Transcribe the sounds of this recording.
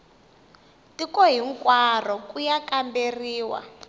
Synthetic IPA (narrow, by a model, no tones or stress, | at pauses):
tikɔɦiŋkwarɔkujakamberiːwa̰